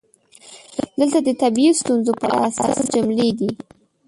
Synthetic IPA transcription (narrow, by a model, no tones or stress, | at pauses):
d̪əlt̪ad̪ət̪abiist̪unzopəɾ̰asɑ̰sd͡ʒʊmled̪i